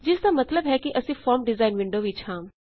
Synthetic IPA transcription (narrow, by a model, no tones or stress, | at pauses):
d͡ʒɪsd̪amɐt̪ləbɦɛːkiʔɐsĩːfʰɔːɾmɖɪzaːɪnʋɪ̃ɳɖoːʋiːt͡ʃʰãː